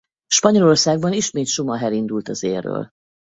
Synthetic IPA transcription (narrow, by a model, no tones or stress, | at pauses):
ʃpɒɲo̞lo̞rsaːɡ̚bɒniʃmeːt̪ʃumɒɦɛlind̪ult̪ɒzeːrːø̰ːl